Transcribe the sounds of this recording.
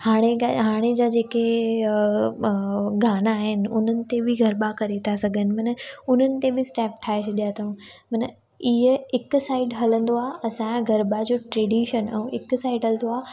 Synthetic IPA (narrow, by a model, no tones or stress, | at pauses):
haːɽ̃eaɦaːɽ̃ed͡ʑaːd͡ʑeːke | ɡaːnaːɦɪnɪ̆ʊn̤ənɪ̆t̪ebʱɪɡʱɐɾbakɐɾet̪ʰasɐɡʱənɪ̆mɐnəʊn̤ənɪ̆t̪ebɪsʈɛːp̚ʈʰaːeʃʰɗijat̪ʰɐũ | mɐnə | iɦəɪksaːɪɖɦɐlə̃nd̪oaːɐsãɡʱɐɾbad͡ʑoːʈɾeːɖiːʃənɛ̃ɪksaːɪɖɦɐlnd̪oaː